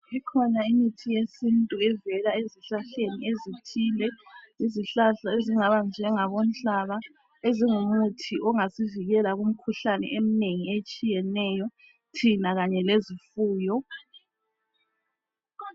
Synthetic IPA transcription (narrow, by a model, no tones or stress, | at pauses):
ikʰɔnaimitʰijesintʼuɛvɛlaeziɬaɬeniezitʰiːlɛiziɬaɬaeziŋaβand͡ʒʱɛŋaβɔm̩t͡ɬaβa | eziŋum̩utʰiʔɔŋasiviɣɛlaɣum̩kʰuɬanɛ̰ʔem̩neŋiet͡ʃʼijɛnɛːjɔ | tʰinaɣaɲɛlezifuːjɔ